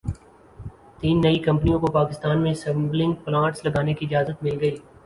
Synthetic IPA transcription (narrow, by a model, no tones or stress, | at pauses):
t̪iːnːɐikɐ̃mpnijõkopaːkɪst̪aːnmẽsɐ̃mblɪ̃ŋɡplãːʈslɐɡaːnekiɪd͡ʒaːzət̪mɪlɡɐiː